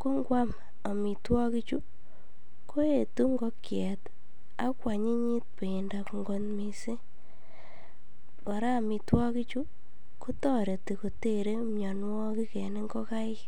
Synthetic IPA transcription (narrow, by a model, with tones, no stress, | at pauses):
ko˦ŋɡwʷa˦m | a˨mi˨twɔ˦ki˦t͡ʃu˦ | ko˦e˨tu˦ŋɡɔ˦kjɛ˨t | a̰˦kwa˨ɲi˦ɲi˦t̚pe˨i˨nda˨kŋɡo˨nmi˨se˦ | kɔ˨ɾa˦˨mi˨twɔ˦ki˦t͡ʃu˦ | ku˦tɔ˦ɾe˨ti˨ko˨te˦˨ɾe˦mjɔ˨nwɔ˦ki˦kɛ˨ne˦ŋɡɔ˦ka˦ɪ˦